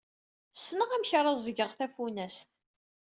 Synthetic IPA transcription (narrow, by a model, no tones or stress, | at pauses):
sːnəʁæmçɾˤɑzˤəɡəʁθæfunæs